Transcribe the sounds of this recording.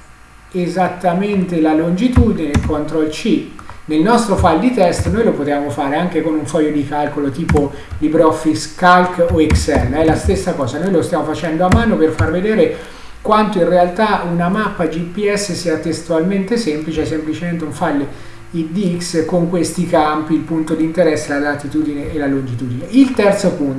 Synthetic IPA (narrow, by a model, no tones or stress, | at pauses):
ezat̪ːament̪elalond͡ʒit̪uːd̪inekʰont̪ɾoilt͡ʃinelnɔst̪ɾofald̪it̪ɛst̪nojlopot̪eaːmofaːɾeaŋk̟ekonuɱfɔjːod̪ikalkolot̪iːpo | libɾɔfːiskalkoiksɛrnɛlast̪esːakɔːzanojlost̪jamofat͡ʃɛnd̪oamːaːnoperfarved̪eːɾe | kwant̪oinrealt̪aunamapːad͡ʒipːiɛsːesiːat̪est̪ualment̪esemplit͡ʃeɛs̬emplit͡ʃement̪euɱfalː | id̪iikskoŋkwest̪ikampiːlpunt̪od̪int̪eɾɛsːeladat̪it̪uːd̪ineʔːlalund͡ʒit̪uːd̪ineilt̪ɛrt̪sopun